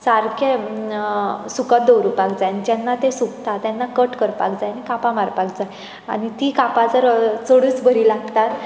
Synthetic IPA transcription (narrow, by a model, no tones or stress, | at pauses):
saɾkʰe | sukət̪̚d̪owɾupakd͡zajnid͡ʑanːat̪esukt̪at̪janːakəʈkəɾpa̰kd͡zajanikapãmaɾpak̚d͡zaj | a̰nit̪iːkapad͡zəɾt͡səɽuːt͡sbəɾiːlaɡt̪at̪